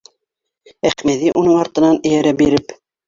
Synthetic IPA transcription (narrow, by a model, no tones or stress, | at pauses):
æχmæðiʔunɤɴɑɾt̪ɤ̆nɑnɘ̆jæɾæbiɾɘp